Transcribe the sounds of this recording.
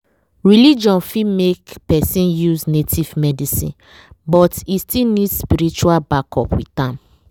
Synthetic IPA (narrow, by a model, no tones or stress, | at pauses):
ɹilid͡ʒɔ̃nfimekpɛsĩnjuznetʰivmɛdisḭ̃n | bɔtistilnidspiɾit͡ʃualbakɔpwḭtãm